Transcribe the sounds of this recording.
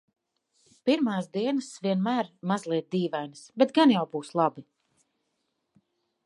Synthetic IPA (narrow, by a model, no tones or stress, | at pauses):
piɾmaːsd̪iɛnəsvʲiɛnmæːɾmazlˠiɛt̪̚d̪iːvajnɨsbɛt̪̚ɡanjawbuːslˠabi